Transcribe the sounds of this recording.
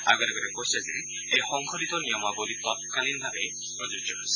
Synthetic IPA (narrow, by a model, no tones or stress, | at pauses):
a̰ɡɔɾeɡɔɾekoɦisazḛ | ejxɔŋkʰɔdit̪ɔnijɔmabolit̪ɔt̪̚kalinbʱabe | ɔd͡ʒud͡ʒɔs